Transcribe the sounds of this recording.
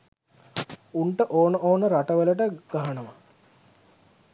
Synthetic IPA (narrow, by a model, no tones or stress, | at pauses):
uɳʈəʔoːnəʔoːnəɾaʈəʋələʈəɡ̥aɦanəʋa